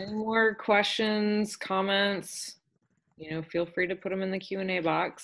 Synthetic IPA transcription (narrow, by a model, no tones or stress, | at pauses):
ɛnimɔɹkʰw̥ɛst͡ʃɨ̃nz̥kʰɑmɛ̃nts | jɨnoʊfilˠfɹiɾɨpʰʊɾɨ̃mɨ̃nðɨkʰj̥ʉɨ̃neɪbɑks